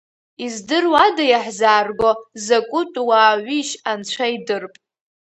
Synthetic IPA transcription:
izdɨrwadajaħzaːrɡʷozakʷʼʊtʼwaːʕʷiʃant͡ʃʷʰaidɨrpʼ

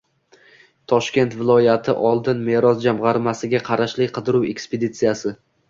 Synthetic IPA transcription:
t̪ʰɒʃkʲe̞nt̪vɪlˠɒjat̪ʰɪʔɒlˠd̪ɪnme̞ɾɒzd͡ʒamʁɑɾmasɪɡʲaqʰɑɾaʃlɪkʲqʰɨd̪ɪɾuwe̞̰kspʰed̪it̪sijasɪ

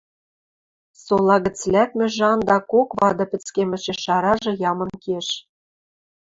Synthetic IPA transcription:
solˠɑɣɘ̆t͡slæp̚mʲɘ̆ʒɑnd̪ɑkokβɑd̪ɤ̆pʲɘ̆t͡skemʲɘ̆t͡ɕĕʃɑɾɑʒɤ̆jɑmɤ̆nkeʃ

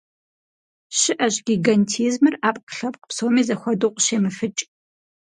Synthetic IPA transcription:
ɕɪʔɐʑɡʲiɡɐntʰiːzmɨraːpʼqɬɐpʼqə̥psoːmiːzɐxʷɔdoqʷʼʃeːmɨfɨt͡ʃʼ

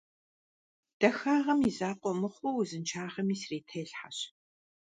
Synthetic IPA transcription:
d̥ɐxaːʁɐmizaːqʷʼɔmɨχʷʊwzɨnt͡ʃʰaːʁɐmiːsreːtʰɐːɬħa̰ɕ

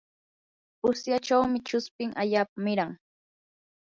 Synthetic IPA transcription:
ʊsjat͡ʃawmɪt͡ʃʊspɪŋʔaʎaːpamɪɾaŋ

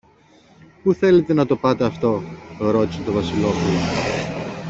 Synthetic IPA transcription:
puθe̞le̞t̪e̞nɐt̪o̞pɐt̪e̞ɐft̪o̞ɾo̞t̪iset̪ovɐsilo̞pulo

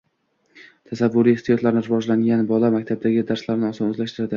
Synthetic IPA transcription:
t̪ʰasavːʊɾijɪht̪ʰijɒt̪laɾɪnɪɾɪvɒd͡ʒlaŋɡʲanbɒlamakʲt̪ʰab̚d̪aɡʲɪd̪aɾslaɾnɪɒsɒnɵzlaʃt̪ɪɾad̪ɪ

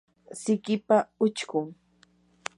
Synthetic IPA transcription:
sɪkɪpaʊt͡ʃkʊŋ

